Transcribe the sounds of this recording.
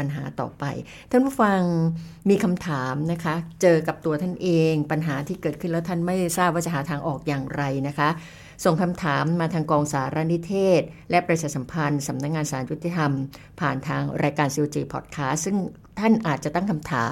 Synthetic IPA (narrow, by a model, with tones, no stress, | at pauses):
pa˧nɦa̰ː˩˦t̪ɔ̰ː˨˩pa̰˧j | t̪ʰa˥˩pu˥˩fa˧ŋmiː˧kʰa˧mt̪ʰaː˩˦mna˦˥kʰa˦˥t͡ɕɤː˧ka˨˩p̚t̪u˧ɐt̪ʰa˥˩nʔeː˧ŋpa˧nɦaː˩˦t̪ʰiː˥˩kɤː˨˩t̪̚kʰɯ˥˩nlɛː˦˥wt̪ʰa˥˩nma˥˩jsaː˥˩p̚waː˥˩t͡ɕa˨˩ɦaː˩˦t̪ʰaː˧ŋʔɔː˨˩k̚jaː˨˩ŋɾa˧jna˦˥kʰa˦˥ʔ | so˨˩ŋkʰa˧mt̪ʰaː˩˦mːaː˧t̪ʰaː˧ŋkɔː˧ŋsaː˩˦ɾa˦˧˥ni˦˥t̪ʰeː˥˩t̪̚lɛ˦˥pɾa˧sʰa˧˩sa˩˦mpʰa˧nsa˩˦mna˦˥k̚ŋaː˧nsaː˩˦nju˦˥t̪ʰːi˧t̪ʰa˧m | pʰaː˨˩nt̪ʰaː˧ŋɾaː˧jkaː˧nsiː˧wt͡ɕiː˧pʰɔ̰ː˨˩t̪̚kʰaː˦˥st̪̚sɯ˥˩ŋ | t̪ʰa˥˩nʔaː˨˩t̪̚t͡ɕa˨˩t̪a˥˩ŋkʰa˧mt̪ʰa̰ː˩˦